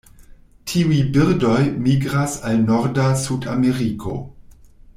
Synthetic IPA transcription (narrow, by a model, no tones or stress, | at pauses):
tʰiujbiɾdo̞jmiɡɾasalno̞ɾdasuda̰meɾikʰo̞̰